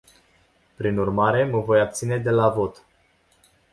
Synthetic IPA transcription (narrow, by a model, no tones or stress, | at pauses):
pɾinurmaɾe̞məvo̞jab̚t̪sine̞d̪e̞lavo̞t̪